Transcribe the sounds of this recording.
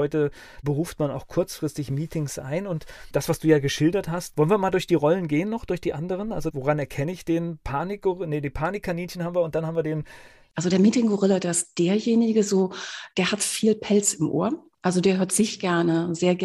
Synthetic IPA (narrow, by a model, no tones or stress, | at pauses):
ɔʏtə | bəʁuːftmana̰ʊxkʰʊɐt͡sfʁ̥ɪstɪçmiːtʰɪŋsʔa̰ɪnʊntd̥asv̥asd̥uːjaːɡəʃɪldɐthastvɔlənviːɐmaːldʊɐçd̥iːʁɔlənɡeːənːɔχd̥ʊɐçd̥iːʔandəʁ̞ənʔalzovoʁanɛɐkʰɛnəɪçd̥eːnpʰaːnɪk̚ɡ̥ʊʁɪnədiːpʰaːnɪkʰːaniːnçənhaːmviːɐʊnt̚d̥anhaːmviːɐdeːn | ʔalzodeːɐmiːtɪŋɡʊʁɪlɐdeːɐɪst̚d̥eːɐjeːnɪɡəzoːd̥eːɐhatfiːlpʰɛlt͡sɪmʔo̰ːɐ | ʔalzodeːɐɦøːɐtz̥ɪçɡ̥ɛɐnəzeːɐɡ